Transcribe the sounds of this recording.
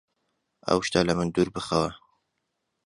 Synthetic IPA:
ɐ̰wʃt̪alɐmɨnd̪uːɾbɨxɐwɐ

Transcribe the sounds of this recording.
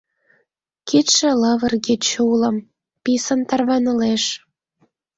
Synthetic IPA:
kʰet̪ʃĕləβərɣet͡ɕulə̆m | pisə̆nt̪ɑrβɑnə̆leʃ

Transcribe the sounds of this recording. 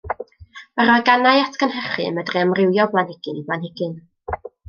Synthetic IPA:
əɾɔjɡanajatʰɡənhɛχɨ̰mədriəmrɪwjɔblˠanhɪɡ̥ɨnibanhɪɡ̥ɨn

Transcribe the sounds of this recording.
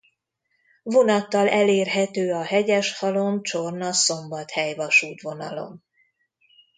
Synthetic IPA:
vo̞nɒt̪ːɒlɛleːrɦɛt̪øːɒɦɛɟɛʃhɒlo̞mt͡ʃo̞rnɒso̞mbɒt̪hɛjvɒʃuːt̪ʋo̞nɒlo̞̰m

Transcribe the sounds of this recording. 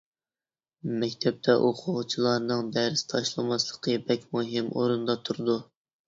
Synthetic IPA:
mɛkʲt̪ʰɛp̚t̪ʰɛʔoqʰʊʁt͡ʃʰilˠɑɾnɨŋd̪æɾɪst̪ʰɑʃlˠɨmɑslˠəqʰəbɛkʲmuɦɪmoɾund̪ɑt̪ʰuɾɨd̪u

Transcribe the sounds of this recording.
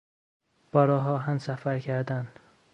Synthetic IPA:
b̥ɒːɾɒːɦɒːɦæmsæfæɾcʰæɾd̪æn

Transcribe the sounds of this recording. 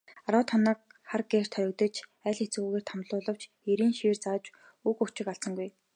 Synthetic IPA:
aɾʊːt̪χɔnə̆ːk̚χarɡeːr̥t̪ʰœjɞ̆k̚t̪ə̆t͡ɕʰæːɮxet͡sɣuːɣeːr̥t̪ʰamɮʊːɮə̆w̥t͡ɕ | eɾiːnʃiːrt͡saːt͡ɕ | ɵkɵkt͡ɕɪ̆kaɬt͡sə̆ŋɡuj

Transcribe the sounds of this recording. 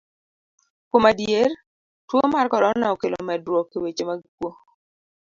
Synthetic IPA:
kwomadjer | twomarkɔdɔnaɔkelo̰mɛdɾwɔkːewet͡ʃemaɡikwo

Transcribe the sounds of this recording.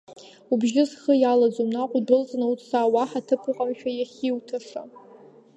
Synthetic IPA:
ubʒɪzχəjalad͡zomnaqʷʼdɨlt͡sʼnautʰʼsaːwaħatʰɨpʰɨqʼamʃᶣajaχʲiwtʰaʂa

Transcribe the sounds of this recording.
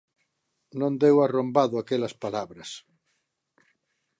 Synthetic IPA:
nõnd̪ewarombaðoakelaspalaβɾas

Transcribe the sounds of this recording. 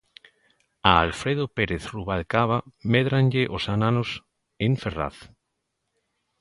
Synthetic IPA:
aːlfɾeð̞opeɾeθruβalkaβameðɾanʎeʔosananos | eɱfera̰θ

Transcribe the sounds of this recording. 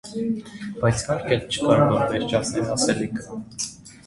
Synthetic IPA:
b̥ɑjt͡sʰkɑɾkʰɛnt͡ʃʰə̥kɑɾvɔɾvɛɾt͡ʃʰɑsnɛlɑsɛlikʰ

